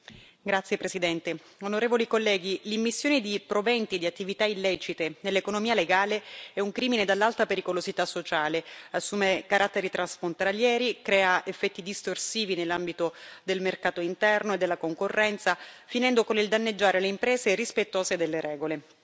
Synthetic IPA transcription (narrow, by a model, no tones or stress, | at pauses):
ɡɾat̪sjepɾesid̪ɛnt̪e | onoɾeːvolikolːɛːɡilimːisːjoːned̪ipɾovɛnt̪id̪iat̪ːivit̪ailːɛːt͡ʃit̪enelːekonomiːaleɡaːleɛuŋkɾiːmined̪alːalt̪apeɾikolozit̪asːot͡ʃaːleasːuːmekaɾʔat̪ːeɾit̪ɾansfɾont̪aljɛːɾikɾɛːaefːɛt̪ːid̪ist̪orsiːvinelːambit̪od̪elmerkaːt̪oint̪ɛrnoed̪ːelːakoŋkorːɛnt̪safinɛnd̪okonild̪anːed͡ʒːaːɾeleimpɾeːzeɾispet̪ːoːzed̪elːeɾɛːɡole